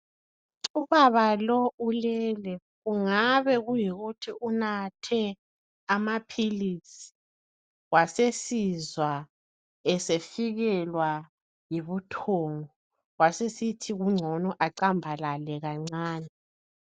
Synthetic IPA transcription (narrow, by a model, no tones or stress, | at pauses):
uβaβalɔulɛːlɛ | ɣuŋaβɛɣujiɣutʰiʔunatʰɛ | amapʰilisi̥ | wasesizwa | ɛsefiɣɛlwa | jiβutʰɔŋɔ | wasesitʰiɣuŋ͡ǀʱɔnɔʔaǀambʱalalɛɣaŋ͡ǀaːnɛ